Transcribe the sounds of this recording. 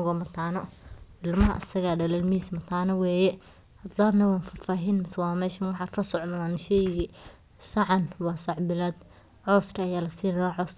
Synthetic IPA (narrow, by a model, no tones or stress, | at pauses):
ɣɔmɐt̪ʰaːnɔɪlmɐɦɐ̰ʔɐ̰sɐɣaːɖɐlɐlmiismɐt̪ʰaːnɐwɛːjɛ | hɐd̪laːnːɐwaːnfɐfaːɦinmɪswaːmɛːʃɐnwɑħɑːd̪lɐsɔʕnɐðaːnʃɛjɣi | sɐʕɑnwɑːsɑʕbɪlaːd̪ | ʕɔskʰɐɐjaːlɐsiːnɐðaʕɔːs